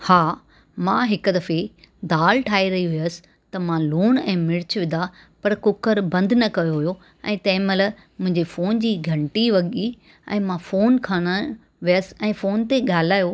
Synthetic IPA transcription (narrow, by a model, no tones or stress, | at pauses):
haː | mãɦɪkd̪ɐfe | d̪aːlʈʰaːiɾɐɦiɦijəsɪ̥̆ | t̪ɐmãluːɽ̃ɛ̃ːmɪɽɪt͡ɕʋɪ̃nd̪a | pɐɾkʊkəɾbɐ̃nd̪ʱnɐkɐjoɦʊjo | ɛ̰̃ːt̪ɐ̃ɦɪ̃məl | mʊ̃ɦɪ̃ɲd͡ʑefoːnd͡ʑiːɡʱɐ̃ɳʈiʋɐɠi | ɛ̰̃ːmãfoːnkʰaːɽ̃ə | ʋijəsɪ̥̆ɛ̃ːfoːnt̪eɠaːl̤aːjoː